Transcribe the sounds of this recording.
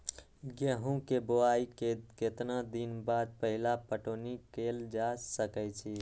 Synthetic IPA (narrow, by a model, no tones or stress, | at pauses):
ɡeɦũkeboaikeket̪nad̪inbad̪̚pəɦilapəʈonikeld͡ʒasəkɛt͡ʃʰi